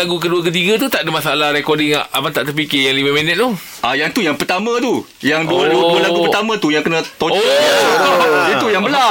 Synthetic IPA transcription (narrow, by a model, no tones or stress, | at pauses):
aɡuk̬əduak̬ət̪̬iɡat̪ut̪aʔdəmãsaalahɾɛkɔdɪŋa̰ʔamat̪aʔt̪d̪əp̬ikejaŋlimãmənət̪̚t̪uh | ʔajaŋt̪ujaŋpərt̪amãt̪u | jaŋduəduəduəlapuərt̪amãt̪ujaŋkənə̃t̪oɔ | it̪ujaŋbəla